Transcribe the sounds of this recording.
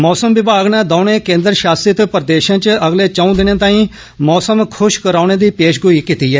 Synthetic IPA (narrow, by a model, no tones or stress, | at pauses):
mɔːsəmʋɪbaːɡnãːd̪aːʊɳeːkẽːnd̪əɾʃaːsɾət̪pəɾd̪eːʃãːt͡ʃəɡleːt͡ʃaːũːd̪ɪnãːt̪ãːĩː | mɔːsəmkʰʊʃkəɾaːʊɳeːd̪iːpeːʃɡʊiːkit̪iːɦɛː